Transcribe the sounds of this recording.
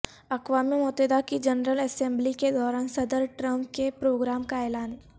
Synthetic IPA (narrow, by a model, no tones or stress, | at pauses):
ɐkʋaːmimoːt̪ed̪akid͡ʒɐnɾəlɛsɛ̃mbliked̪ɔːɾaːnsɐd̪əɾʈɾə̃mp̚kepɾoːɡɾaːmkaɛːlaːn